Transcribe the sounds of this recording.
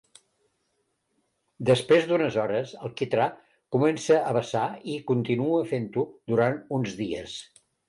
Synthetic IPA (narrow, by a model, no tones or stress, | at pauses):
d̪əspɾezd̪unəzɔɾəsəlˠkit̪ɾa | kumɛnsəʔəβəsaikunt̪inuəfent̪ud̪uɾanunzðiə̰s